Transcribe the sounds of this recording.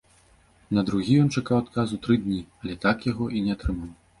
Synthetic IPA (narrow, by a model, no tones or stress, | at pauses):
nɐd̪ɾuɣʲijɔnt͡ʂakawat̪kazut̪ɾɨd̪ʲnʲiɐlʲɛt̪akjaɣɔʔinʲɛat̪ɾɨmaw